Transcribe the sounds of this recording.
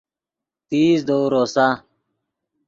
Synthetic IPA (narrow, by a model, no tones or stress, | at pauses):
t̪iːzd̪oːɾoːsa